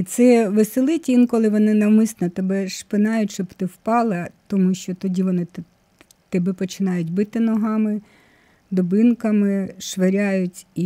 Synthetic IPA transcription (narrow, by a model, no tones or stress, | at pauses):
it̪sɛʋɪsɪlˠɪtʲinkɔlˠɪʋɔnɪnɐwmɪsnɐt̪ɛbɛʃpɪnɑjʊtʲʃt͡ʃɔbt̪ɪwpɑlˠɐt̪ɔmuʃt͡ʃɔt̪ɔdʲiʋɔnɪt̪ | t̪ɛbɛpɔt͡ʃɪnɑjʊtʲbɪt̪ɪnɔɦɑmɪ | d̪ɔbɪnkɐmɪʃʋeɾʲajʊtʲi